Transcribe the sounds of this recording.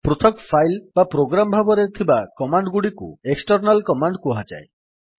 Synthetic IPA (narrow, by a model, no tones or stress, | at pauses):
pɾut̪ʰɔkpʰajlbapɾoɡɾamɔbʱabɔɾet̪ʰibakɔmaɳɖɡuɽikṵeksʈɔɾnalkɔmaɳɖkuɦad͡ʒa̰e